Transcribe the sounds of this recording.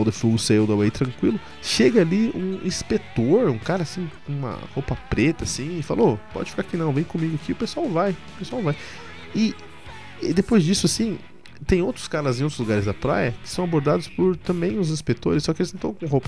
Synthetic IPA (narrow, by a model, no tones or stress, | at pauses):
ad̪efuɡʊseiwd̪ɐwait̪ɾɐ̃ŋkwilʊ | ʃeɡɐaliũĩspet̪oɾũkaɾɐːsĩkũmɐ̰hopɐpɾet̪ɐsĩɪfa̰lʔopɔ̰d͡ʒɪfi̥kaɾakinɐ̃w̃vẽj̃kõmiɡʊakiʊpesuawvajʊpesuawvaj | ɪ | d̪epojzd͡ʒisʊasĩ | t̪ẽj̃owt̪ɾʊ̥skaɾɐzẽj̃owt̪ɾʊzluɡaɾɪzd̪ɐpɾa̰jɐkɪ̥sɐ̃w̃aboɾd̪ad̪ʊspʊɾt̪ɐ̃mbẽj̃ʊzĩspekt̪o̰ɾɪsːɔkɪelɪzñt̪ɐ̃w̃kõɦowpɐ̥